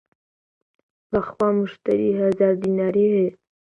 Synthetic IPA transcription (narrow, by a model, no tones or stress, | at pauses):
baxwɑmʊʃt̪a̰ɾiɦazɑɾd̪inɑɾihe